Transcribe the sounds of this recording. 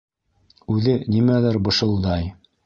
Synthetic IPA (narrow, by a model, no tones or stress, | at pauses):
ʉðɘnimælæɾbɤ̆ʃɤ̆lˠd̪ɑj